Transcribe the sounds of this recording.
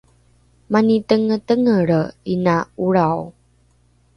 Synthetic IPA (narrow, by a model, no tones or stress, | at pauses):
manitəŋətəŋəɾinauɭaw